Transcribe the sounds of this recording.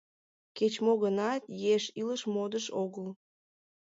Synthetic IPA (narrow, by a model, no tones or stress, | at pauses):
ket͡ɕmoɣənɑt̪jeʃiləʃmod̪əʃoɣəl